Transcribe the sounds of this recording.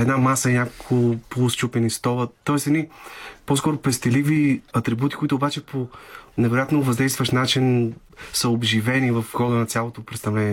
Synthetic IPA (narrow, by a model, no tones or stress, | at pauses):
ɛd̪namasənʲakkʰʊplˠust͡ʃupɛnist̪ɔvət̪ːɔɛsɛd̪niposkɔɾʊpɛst̪ɛliviɐt̪ɾibut̪i̥koit̪ʊːbat͡ʃɛpʰonɛvɛɾojat̪novɐzd̪ɛjst̪vəʃnat͡ʃin | səobʒivɛnivɐfxɔd̪ənɐt̪sʲjalˠot̪opɾɛt̪st̪ɐvlɛnʲiɛ